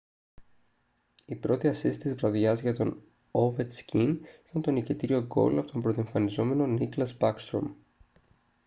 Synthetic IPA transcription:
ipɾo̞t̪iɐsisit̪izvɾɐðʝɐzʝɐt̪o̞n | ovet̪scinit̪ɐnt̪o̞nicet̪iɾio̞ɡo̞̰lɐpo̞̥t̪o̞mbɾot̪eɱfɐnizo̞me̞no̞niklɐzbɐkst̪ɾo̞̰m

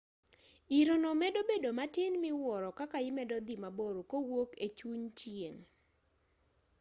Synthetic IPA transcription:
iɾonomɛdobedomatɪnmɪwɔɾɔkakaɪmɛdɔd̪imaboɾokowoket͡ʃuɲt͡ʃjeŋ

